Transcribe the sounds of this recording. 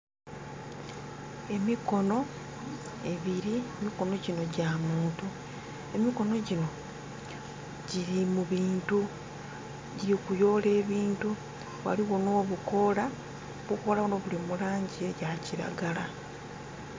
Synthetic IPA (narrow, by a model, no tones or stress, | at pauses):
e̞miko̞no̞ | e̞βiɾiemiko̞no̞ɟino̞ɟamuːntu | e̞miko̞no̞ɟino̞ | ɟiɾimuβiːntu | ɟiɾikujo̞ːle̞ːβiːntu | βwa̰liɣo̞noːβuko̞la | βuko̞ːlaβuno̞βulimulaːɲɟieɟaciɾa̰ɡala